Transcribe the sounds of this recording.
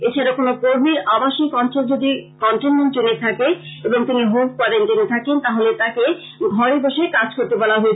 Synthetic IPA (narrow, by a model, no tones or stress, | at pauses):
et͡ɕʰaɾaokonokoɾmiɾabaʃikɔnt͡ɕold͡ʑod̪ikɔnʈenmenʈd͡ʑonet̪ʰake | eboŋt̪iniɦobkɔɾend͡ʑonet̪ʰakent̪aɦolet̪ake | ɡʱɔɾeboʃekad͡ʑkoɾt̪ebɔlaɦoet͡ɕʰe